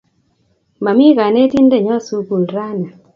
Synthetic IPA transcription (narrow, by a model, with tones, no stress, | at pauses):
ma˨mi˦ka˨ne˦ti˦nde˦˨ɲɔ˦˨su˦ku˨lɾa˦na˨